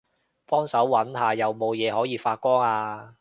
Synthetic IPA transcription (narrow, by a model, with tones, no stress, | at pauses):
fɔː˥ŋsɐ˨˥wːɐ˨˥nɦaː˨jɐ˨wmo˨˧wjɛː˨˧ɦɔː˨˥jiː˨˧faː˧t̚kʷɔː˥ŋaː˧